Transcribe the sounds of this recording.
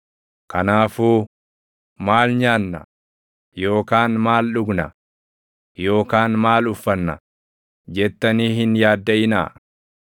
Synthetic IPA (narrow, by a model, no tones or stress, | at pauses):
kɐnaːfuː | maːlɲaːnːɐ̰ | jo̞ːkaːnmaːlɗʊɡnɐ̰ | jo̞ːkaːnmaːlʊfːɐnːɐ̰ | d͡ʒɛt̪ːɐniːhɦɪnjaːd̪ːɐʔɪna̰ː